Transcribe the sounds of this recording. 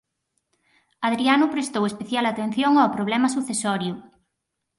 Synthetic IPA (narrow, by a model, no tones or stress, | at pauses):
aðɾianʊpɾest̪owespeθjalat̪en̟θjoŋawpɾoβ̞lɛmasuθesɔɾjʊ